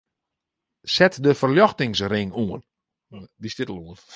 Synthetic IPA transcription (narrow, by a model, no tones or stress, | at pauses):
sɛtdəfərljɔxtɪŋsrɪŋuən | distɪtəl̩ˠuən